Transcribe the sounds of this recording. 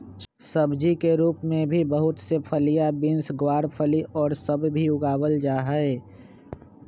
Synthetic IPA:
sɐbd͡ʒikeɾuːpmẽbʱibəɦʊt̪sepʰəlijabɪnsɡwaːɾpʰəliʔɔːɾsɐbbʱiʊɡaːwəld͡ʒaːɦəe

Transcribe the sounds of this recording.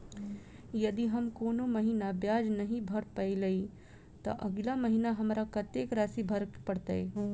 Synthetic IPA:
jəd̪iɦəmkoːnoməɦinabjaːd͡ʒnəɦĩbʱəɾpəɪləi | t̪ɐ̰ʔəɡlaməɦinaɦɐmɾakət̪ekɾaːsibʱəɾkpəɽt̪əe

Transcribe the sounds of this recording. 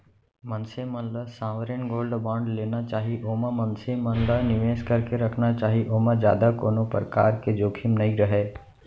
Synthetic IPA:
mɐ̃nsemənlasãːʋəɾənɡoːlɖbãːɳɖleːnat͡ʃaːɦiʔoːmamə̃nsemənlanɪʋeːʃkɐɾkeɾɐkʰnat͡ʃaːɦiʔoːmad͡ʒja̰ːd̪ako̰ːnopɾəka̰ːɾked͡ʒoːkʰɪmnɐĩɾɐɦeː

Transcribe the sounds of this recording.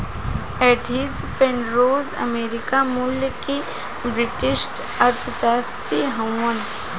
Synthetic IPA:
ɛːʈʰid̪pẽɳɖɾoːzə̰meːɾɪkamuljəke | bɾɪʈɪsʈ | ɐɾt̪ʰəʃaːst̪ɾiːɦɐ̃wːən

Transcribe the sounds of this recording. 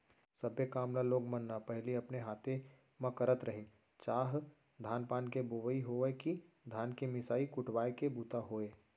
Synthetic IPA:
sɐbekaːmlaloːɡmɐnːapɛɦliɐpneɦaːt̪e | mɐ̃kəɾət̪ɾɐɦɪ̃ | t͡ʃaːɦ | d̪ʱaːnpaːnkeboʋəiɦoeki | d̪ʱaːnkemɪsaːikʊʈwaːekebuːt̪aɦoːeː

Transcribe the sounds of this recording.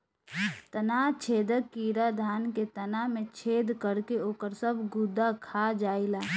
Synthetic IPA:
t̪ənat͡ʃʰeːd̪əkːiːɾad̪ʱaːnket̪ənamẽt͡ʃʰeːd̪kəɾkeoːkəɾsəbʱɡud̪ːakʰad͡ʒaːila

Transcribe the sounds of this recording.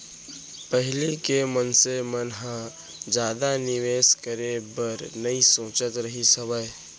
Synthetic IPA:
pəɦɪlikemənsemənɦã | d͡ʒjaːd̪anɪʋeːskəɾebəɾnɐisõːt͡ʃət̪ɾəɦisəbəe

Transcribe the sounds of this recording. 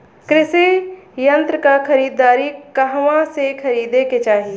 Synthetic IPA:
kɾɪsejɐ̃nt̪ɾəkakʰɐɾiːd̪ːaːɾikɐɦʋãsekʰɐɾiːd̪eket͡ʃaːɦi

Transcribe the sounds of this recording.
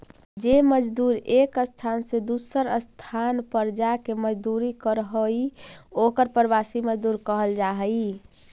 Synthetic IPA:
d͡ʒeməd͡ʒd̪uɾekəst̪ʰansed̪usəɾəst̪ʰanpəɾd͡ʒakeməd͡ʒd̪uɾikəɾɦəiokəɾpɾbasiməd͡ʒd̪uɾkəɦəld͡ʒaɦəi

